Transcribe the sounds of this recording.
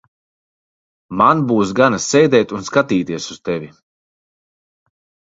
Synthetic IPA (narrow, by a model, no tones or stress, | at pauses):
manbuːs̬ɡanasɛjd̪ɛjt̪unskat̪iːt̪iɛsust̪ɛvʲi